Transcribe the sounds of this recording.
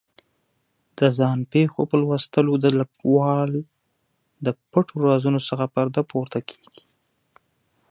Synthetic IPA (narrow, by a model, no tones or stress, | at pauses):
d̪̥əzɑnpexo̰pəlwast̪əlod̪ələkwɑl | d̪əpəʈoɾɑzunosəxapaɾd̪apoɾt̪akʰe̥ɡ̥i̥